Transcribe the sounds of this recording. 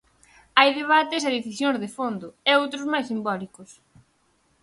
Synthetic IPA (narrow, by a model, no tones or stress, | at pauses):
ajðeβ̞at̪ɪsɐðeθisjõŋzðefond̪ʊɛowt̪ɾʊzmajsimbɔlikʊs